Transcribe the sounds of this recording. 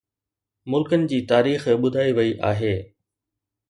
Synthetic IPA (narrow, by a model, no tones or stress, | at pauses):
mʊlkənɪ̆d͡ʑiːt̪aːɾiːxɓʊd̪ʱaːiʋɐiʔa̰ːɦeː